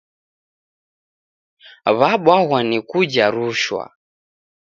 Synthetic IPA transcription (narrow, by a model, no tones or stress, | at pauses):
βaɓwaɣwanikud͡ʒaɾuʃwa̰